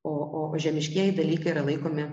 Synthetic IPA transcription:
oːʔoːoːʒʲɛmʲɪʃʲkʲiɛjɪd̪ɐlʲiːkɐɪiɾɐlˠɐɪkoːmʲɪ

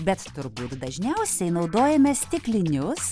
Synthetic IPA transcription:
bʲɛt̪t̪ʊɾbuːt̪d̪ɐʒʲnʲɛʊsʲɛɪnɒʊd̪oːjɛmʲɛst̪ʲɪklʲɪnʲʊs

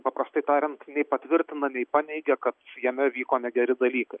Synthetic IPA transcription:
pɐpɾɐst̪ɐɪt̪ɑːɾʲɪnt̪nʲɛɪpɐt̪ʲʋʲɪɾʲt̪ʲɪnɐnʲɛɪpɑːnʲɛɪɡʲɛkɐt̪jɛmʲɛʋʲiːkoːnʲɛɡʲɛɾʲɪd̪ɐlʲiːkɐɪ

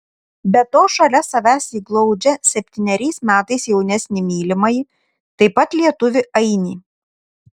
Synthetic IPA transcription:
bʲɛt̪oːʃɐlʲɛsɐʋʲæːsʲiːɡlˠɐʊd͡ʒʲɛsʲɛpʲt̪ʲiːnʲɛɾʲɛɪsmʲæːt̪ɐɪsjɛʊnʲɛsʲnʲɪmʲiːlʲɪmɐɪ | t̪ɐɪpɐt̪lʲiɛt̪ʊʋʲɪʔɐɪnʲiː

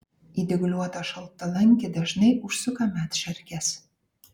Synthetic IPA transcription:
id̪ɘ̆ɡ̆lʲuɑt̪ɑʃɤ̆lt̪ːɑ̆læŋʲkʲɘ̆d̪æʃnejʔuʃsukɑmʲæt̪ʃærkæs

